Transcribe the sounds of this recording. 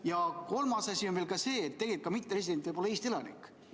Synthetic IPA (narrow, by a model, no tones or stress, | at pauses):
jɑko̞lmɑsɑsʲionve̞ːlkɑse̞ːt̪ːe̞ɡ̥elit̚k̚ːɑmit̪ˑːepɾesid̪envejbo̞leeːst̪ielɑnḭkː